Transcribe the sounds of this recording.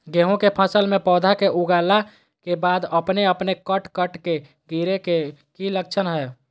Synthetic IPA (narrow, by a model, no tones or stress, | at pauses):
ɡeɦũkepʰəsəlmẽpɔːd̪ʱakeʔuɡala | kebad̪əpneəpnekəʈkəʈke | ɡiɾekekilək̚t͡ʃʰənɦə